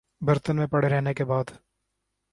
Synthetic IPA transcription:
bɐɾt̪ənmẽpɐɽ̤eɾɛɦnekebaːd̪

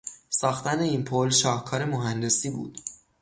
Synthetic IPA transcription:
sɒːxt̪æne̞iːnpʰolʃɒːhkʰɒːɾe̞moɦænd̪e̞siːbṵːd̪̥

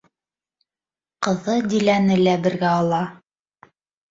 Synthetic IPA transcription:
qɤ̆ðɤd̪ʲilænɘlæbɘ̆ɾɡæɑlˠɑ

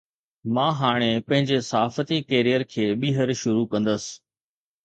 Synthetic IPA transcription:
mãːɦaːɽ̃epɐ̃ɦɪ̃ɲd͡ʑesɐɦaːfət̪ikeːɾijəɾkʰeːɓiːɦəɾʃʊɾukɐ̃nd̪əsɪ̥̆

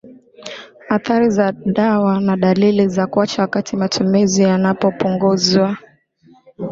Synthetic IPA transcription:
haθaɾizaɗawanaɗalilizakwat͡ʃawakatʰimatʰumizijanapɔpuŋɡuzwa

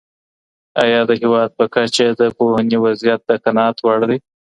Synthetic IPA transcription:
ajɑd̪əɦɪwɑd̪̚pəkat͡ʃad̪əpohaniwazjat̪̚d̪əkanɑt̪waɽd̪e

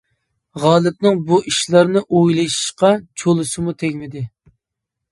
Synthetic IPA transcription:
ʁɑːlˠɪp̚nɨŋbuʔiʃlˠɑɾnɨʔojlˠɑʃi̥ʃqɑt͡ʃʰolˠɨsɨmut̪ʰɛɡʲmɪd̪ɪ

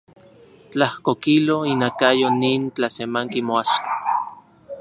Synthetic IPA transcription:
t͡ɬahkokiloinakajoniːnt͡ɬasemaŋkimoaʃkḁ

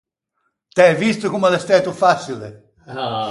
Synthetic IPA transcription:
t̪ɛvist̪ʊkumalɛst̪ɛt̪ufasile

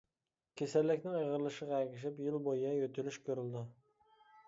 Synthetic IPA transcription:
kʲʰesælːɪkʲnɪŋəʁəɾlˠɨʃəʁɑɛɡʲiʃ̬ɪpjɪlˠbojijɛjøt̪ʰylyʃkʲʰøɾyld̪ɪ

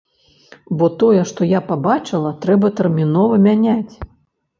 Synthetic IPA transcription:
bɔt̪ɔjɛʂt̪ɔjapabat͡ʂɨlˠɐt̪ɾɛbɐt̪ɐrmʲinɔvɐmʲanʲat͡sʲ

